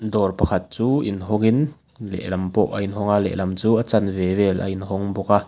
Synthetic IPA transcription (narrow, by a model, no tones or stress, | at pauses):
dɔːrpɐkʰɐt̪̚t͡suːʔinɦɔŋin | lɛ̰ʔlɐmpɔʔɐinɦɔŋalɛ̰ʔlɐmt͡suːʔɐt͡sɐnvɛvɛlʔɐ̰ʔinɦɔŋbɔka